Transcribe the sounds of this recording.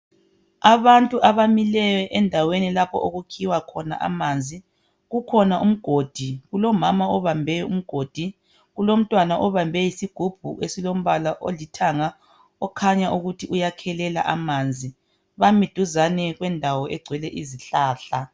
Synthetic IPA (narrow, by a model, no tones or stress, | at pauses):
aβantʼuʔaβamilɛjɛʔɛndʱawenilapʰɔ̰ʔoɣukʰiwakʰɔna̰ʔa̰mand͡zʱi | ɣukʰɔnaʔum̩ɡ̥ʱod̥ʱiɣulɔmamaɔβambʱɛjɔum̩ɡ̥ʱod̥ʱi | ɣulom̩tʼwanaʔɔβambʱɛjisiɡ̥ʱub̥ʱṵʔesilom̩βalaʔolitʰaŋa | ɔkʰaɲaʔuɣutʰiʔujakʰɛlɛla̰ʔamand͡zʱi | βamid̥ʱuzanɛɣwɛndʱawɔʔɛɡ͡ǀʱwɛlɛʔiziɬaːɬa